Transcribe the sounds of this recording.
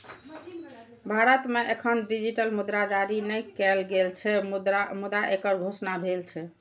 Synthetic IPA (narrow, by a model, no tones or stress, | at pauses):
bʱaɾət̪meʔekʰənɖid͡ʒiʈəlmud̪ɾad͡ʒaɾinɛjkɛlɡelt͡ʃʰɛmud̪aʔekəɾɡʱosnabʱelt͡ʃʰɛ